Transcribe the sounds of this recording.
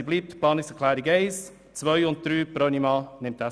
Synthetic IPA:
ibliːp̚tpʰlɑːnɪsəkʰlaːɾiɡeɪs | t͡svœʏʊnt̚d̥ɾyːpɾɔnimɑːnɪmta

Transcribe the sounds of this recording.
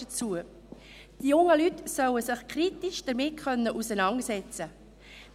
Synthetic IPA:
ət͡suə | d̥ijʊŋːəlytsœwəsɪχkʰɾitiʃd̥əɾmɪt̚kœnːəʔusənɑŋsɛt͡sə

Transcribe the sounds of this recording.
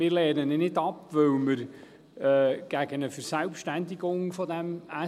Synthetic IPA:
mɪːɾlɛːnənenɪdɑpʋɵwməɾ | ɛːɡ̥æɡ̥ənəfəɾsælpʃtænd̪iɡoŋfɔd̪ɛmæ

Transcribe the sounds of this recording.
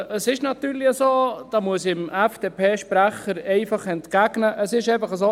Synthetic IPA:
əsɪʃnɑt̪yːɾlɪəsoːd̥ɑːmuəsɪmɛfd̥eːpʰeːʃpɾæχəɾɛɪfɑχɛntkæɡnəʔəsɪʃɛfəχəsoː

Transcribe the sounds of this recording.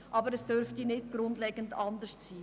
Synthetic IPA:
ʔɑːbəɾɛsd̥øɾftinɪt̚ɡ̥ɾʊndlɛɡəndɑndəʃtt͡siː

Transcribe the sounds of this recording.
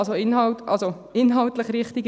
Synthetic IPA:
soɪnhɑltɑ̰lso | ɪnɦɑltləχɾɪχtiɡ

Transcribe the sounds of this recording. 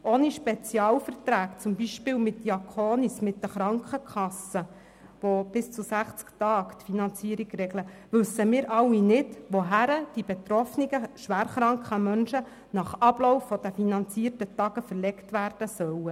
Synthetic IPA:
ʔoːniʃpɛt͡sjɑːwfəɾtɾæːkt͡sʊmbiʃpɪːwmɪt̚d̥jɑkʰoːnismɪtːəχɾɑŋkχəkʰχɑsə | ʋob̥ɪst͡susæχt͡sktɑːkt̪finɑnt͡siəɾiɡɾɛɡləʋɵsːəmɪːɾʔɑlːinɪdʋoɦæɾəd̥ib̥et̪ɾɔfniɡəʃʋæːɾχɾɑŋkχəmœnʃə | nɑχɑb̥lɔwfːɔd̥̪əfinɑnt͡siəɾtətɑɡəfəɾlɛktʋæːrd̥əsœwə

